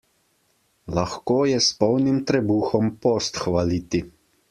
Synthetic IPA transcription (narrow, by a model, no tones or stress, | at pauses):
laxkoːjɛspɔwnimt̪ɾɛbuːxɔmpɔst̪xʋaliːt̪i